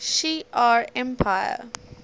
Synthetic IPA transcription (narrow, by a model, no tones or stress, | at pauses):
ʃiːʔaːɹɛ̃mpʰaɪə̰